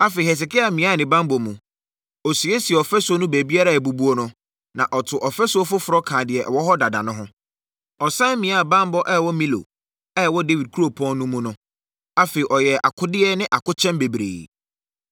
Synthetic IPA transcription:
a˦fe˨i˨hɛ˨s̬ɪ˨kɪ˦a˨mĩ˨˦a˦˨nɪ̃˨bã˦mbɔ˨mũ˨ | ɔ˨si˨e˦si˨ɛ˨ɔ˨fɛ˦sʊ˦o˦nũ˦bæ˨bi˦a˦ɾa˨æ˨bu˨bu˦o˦nʊ̃˦ | nã˨ʔɔ˨tʰʊ˨ʔɔ˨fɛ˦sʊ˦ɔ˦fʊ˦fʊ˨ɾɔ˦kʰãː˨dɪ˨ɛ˨ʔwɔ˦ɦɔ˦da˨dã̰˨nʊ̃˦ɦʊ̃˦ | ɔ˨sã˦mĩ˨˦a˦˨bã˦mbɔ˦ʔɛ˦ɛ˨wɔ˦mĩ˦lo̰˨ | ɛ˦ɛ˨wɔ˦de˦wi˨d̚kʰu˦ɾo˨pʰɔ̃˦nː˦ũ˦mũ˦nʊ̃˦ | a˦fe˨i˨ʔɔ˨jɛ˨ʔa̰˨kʰʊ˦dɪ˦ɛ˦nɪ̃˦ʔa˨kʊ˦t͡ɕʰɛ̃˦mbe˨bɾḛː˨

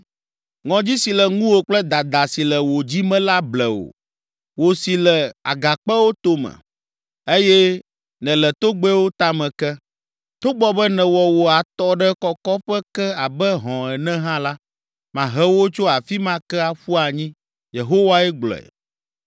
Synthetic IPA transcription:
ŋɔ̃˨d͡ʑi˦si˨lɛ˨ŋũ˦wo˨k͡plɛ˦d̪a˨d̪a˨si˨lɛ˨wo˨d͡ʑi˦mɛ̃˦la˦blɛ˨wo̰˨ | wo˨si˨lɛ˨a̰˨ɡa˨k͡pɛ˦wo˦t̪o˦mɛ̰̃˨ | e˦jɛ˦ | nɛ̃˨lɛ˨t̪o˦ɡ͡bɛ˦wo˦t̪a˦mɛ̃˨kɛ˦ | t̪o˦ɡ͡bɔ˦bɛ˦nɛ̃˨wɔ˨wo˨a˨t̪ɔ˦ɖɛ˦kɔ˦kɔ˦ɸɛ˦kɛ˦a˨bɛ˦ɦɔ̃˨ɛ˨nɛ̃˦ɦã˦la˦ | mã˨ɦɛ˦wo˦t͡ʃo˦a˨fi˦mã˦kɛ˦a˨ɸu˦a˨ɲĩ˦ | je˨ɦo˦wa˦ɛ˦ɡ͡blɔ̰˨ɛ̰˨

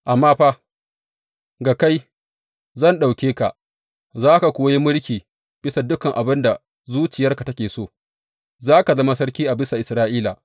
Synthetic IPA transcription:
ʔa˨mːaː˦ɸa˦ | ɡa˨ka˦j | zɐ˦˨nɗa˨wkʲeː˦ka˨ʔ | zaː˦ka˨kʷʊː˨wji˦mʊ˦ɽkʲiː˨ | b̥ɪ˦sa˨dʊ˦kɐ˨ŋʔa˨bɪ˦nda˨ | zuː˦t͡ʃɪ˨jɐ˦rka˨tɐ˦kʲeː˨soː˦˨ | zaː˦ka˨zɐ˦ma˦s̬ɐ˦rkʲiː˦ʔa˨bɪ˦sa˨ʔɪ˨sɾaː˦ʔiː˦la˨

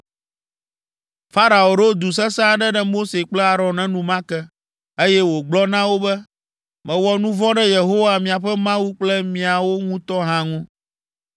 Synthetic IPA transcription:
fa˦ɾa˨o˨ɾo˦d̪u˨s̬ɛ˦sã˦ɖɛ˦ɖɛ˦mo˦se˨k͡plɛ˦a˨ɾɔ̃˨nːɛ̃˦nũ˨mã˦kɛ˦ | e˦jɛ˦wo˨ɡ͡blɔ˦nã˦wo˦bɛ˦ | mɛ̃˨wɔ˨nũ˦vɔ̃˦ɖɛ˦je˨ɦo˦wa˨mĩ˨a˨ɸɛ˦mã˦wu˦k͡plɛ˦mĩ˨a˨wo˦ŋũ˦t̪ɔ˦ɦã˦ŋũ˦

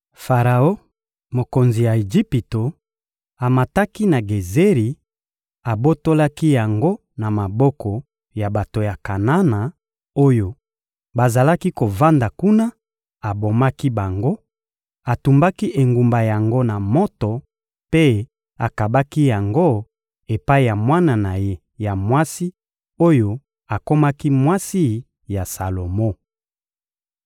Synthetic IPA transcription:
fa˨ʁa˨o˦ | mo˨ko˨nzi˨ja˨e˨ʒi˦pi˨to˨ | a˨ma˨ta˦ki˦na˨ɡe˨ze˦ʁi˨ | a˨bo˦to˦la˦ki˦ja˨ŋɡo˦ | na˨ma˨bɔ˦kɔ˨ | ja˨ba˨to˨ja˨ka˨na˦na˨ | o˦jo˨ | ba˨za˨la˦ki˦ko˨va˦nda˨ku˦na˦ | a˨bo˨ma˦ki˦ba˨ŋɡo˦ | a˨tu˨mba˦ki˦ʔe˨ŋɡu˨mba˨ja˨ŋɡo˦na˨mɔ˦tɔ˨ | pe˦ | a˨ka˨ba˦ki˦ja˨ŋɡo˦ | e˨pa˦i˨ja˨mwa˦na˨na˨je˦ | ja˨mwa˦si˦ | o˦jo˨ | a˨ko˦ma˦ki˦mwa˦si˦ | ja˨sa˨lo˨mo˦

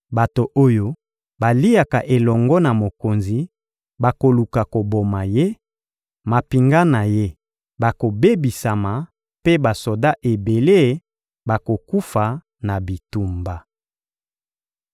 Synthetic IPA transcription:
ba˨to˨ʔo˦jo˦ | ba˨li˦ja˨ka˨ʔe˨lɔ˨ŋɡɔ˦na˨mo˨ko˨nzi˨ | ba˨ko˨lu˨ka˨ko˨bo˨ma˨je˦ | ma˨pi˨ŋɡa˦na˨je˦ | ba˨ko˨be˦bi˨sa˨ma˨ | pe˦ba˨so˨da˦ʔe˨be˨le˦˨˦ | ba˨ko˨ku˦fa˨ | na˨bi˨tu˨mba˨

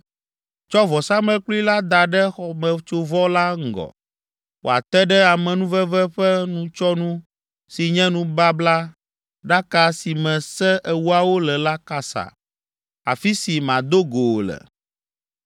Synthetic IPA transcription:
t͡ʃɔ˦vɔ˨sa˦mɛ̃˦klu˦i˦la˦d̪a˨ɖɛ˦xɔ˨mɛ̃˨t͡ʃo˦vɔ˦la˦ŋ̩˦˨ɡɔ̰˨ | wo̰˨a̰˨t̪ɛ˦ɖɛ˦a˨mɛ̃˨nũ˦vɛ˦vɛ˦ɸɛ˦nũ˦t͡ʃɔ˦nũ˦ | si˨ɲɛ̃˦nũ˦ba˦bla˦ | ɖa˦ka˨si˨mɛ̃˨sɛ˦ʔɛ˨wu˦a˨wo˦lɛ˨la˦ka˨sa̰˨ | a̰˨fi˦si˨mã˨d̪o˦ɡo˨lɛ̰˨

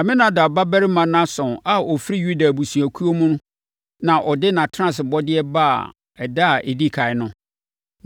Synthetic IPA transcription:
a˨mɪ̃˦nã˨da˨ba˦bɛ˦ɾɪ˦mã˨nã˦sɔ̃˨na˨ɔ˨fɾi˦ju˦da˨bu˨su˨æ˨kʰu˦o˦mũ˦nʊ̃˦ | nã˨ʔɔ˨dɪ˦nã˨tʰã˦˨sɪ˨bɔ˦dɪ˦ɛ˦ba˦a̰˨ | ɛ˨da˦˨ʔe˨di˦kʰa˨ɪ˨˦nʊ̃˦

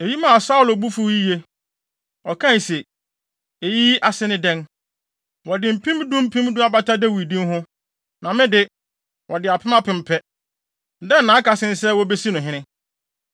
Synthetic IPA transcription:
e˨ji˦mã˨sa˦ʊ˨lo˨bu˦fu˦i˦je˦ | ɔ˨kʰã˦˨se˨ | e˨ji˦a˨sɪ˦nɪ̃˦dɛ̃˦n | wɔ˨dɪ˨m̩˨pʰĩ˦mdũ˦m˦pʰĩ˦m˦dʊ̃˦a˦ba˦tʰa˦dɛ˦wi˨dĩ˦mɦʊ̃˦ | nã˨mɪ̃˦dɪ˦ | wʔɔ˨dɪ˨a˨pʰɪ̃˦mã˦pɪ̃˨m̩˨pʰɛ˦˨ | dɛ̃˦n̩˨nã˨˦ka˨sɪ̃˦n̩˦sɛ˦wɔ˦be˦si˦nʊ̃˨ɦɪ̃˦nɪ̃˦

